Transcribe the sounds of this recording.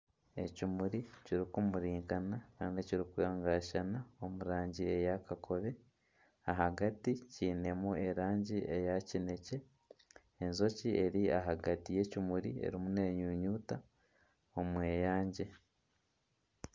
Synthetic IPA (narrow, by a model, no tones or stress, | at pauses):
e̞cimuɾiciɾikumuɾiːŋkanakaːndiciɾikweŋɡaʃanao̞muɾaːɲɟie̞jakakʰo̞βe̞ | aɦaɡaticiːne̞mue̞ɾaːɲɟiʔe̞jacine̞ce̞ː | nzo̞ciʔe̞ɾia̰ɦaɡatije̞cumuɾie̞̰ɾimune̞ːɲuːɲuːta | o̞mwe̞ːjaːɲɟe̞